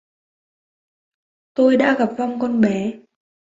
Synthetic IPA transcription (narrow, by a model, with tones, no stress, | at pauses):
t̪o˧jɗa̰ː˧˥ɣa˨˩p̚va˧wŋ͡mkɔ˧nɓɛ˨˦